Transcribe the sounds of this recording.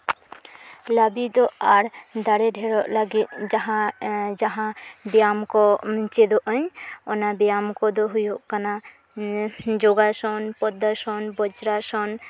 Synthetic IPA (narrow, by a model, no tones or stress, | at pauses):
ləbid̪ɔʔaɾd̪aɽɛɖʱɛɽɔʔlaɡit̪̚d͡ʒaɦãd͡ʒaɦãbɛjamkɔt͡ʃɛd̪ɔʔəɲɔnabɛjamkɔd̪ɔɦujɔʔkana | d͡ʒɔɡasɔnpɔd̪ːasɔnbɔt͡ʃɾasɔn